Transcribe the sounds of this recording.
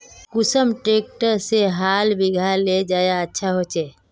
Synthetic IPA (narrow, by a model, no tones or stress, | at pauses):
kʊsəmʈeːk̚ʈəɾseɦaːlbiɡʱaled͡ʒaːjaətːʃʰaɦot͡ʃeː